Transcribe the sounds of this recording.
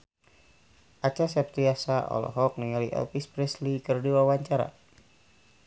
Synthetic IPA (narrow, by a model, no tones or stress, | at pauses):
ʔat͡ʃas̬ɛp̚t̪iasaʔɔ̰lɔ̰ɦɔk̚niŋaliʔɛ̰lpispɾɛslikərdiwawaɲt͡ʃaɾa̰